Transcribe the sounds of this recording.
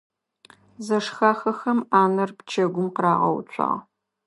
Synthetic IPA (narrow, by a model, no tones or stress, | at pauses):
zɐʂxaːxɐxɐmaːnɐrpt͡ʃʰɐɡʷʊmqəɾaːʁɐ̰w̰t͡ʃʷʰʼɑ̰ːʁ